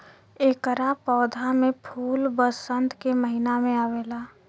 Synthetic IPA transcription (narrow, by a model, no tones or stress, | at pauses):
eːkəɾapɔːd̪ʱamẽpʰuːlbəsə̃nt̪keməɦinamẽaːʋeːlaː